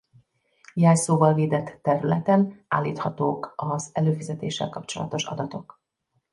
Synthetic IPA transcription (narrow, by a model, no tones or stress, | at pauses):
jaːjsoːvɒlveːd̪ɛt̪ːɛɾylɛt̪ɛna̰ːlːiːt̪hɒt̪oːkɒzɛløːfizɛt̪ḛːʃːɛ̰lkɒpt͡ʃolɒ̰t̪o̞ʃɒ̰d̪ɒt̪o̞k